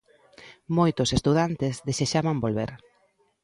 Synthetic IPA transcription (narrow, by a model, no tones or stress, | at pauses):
mojt̪ʊsest̪uðant̪ezðeseʃamambolβeɾ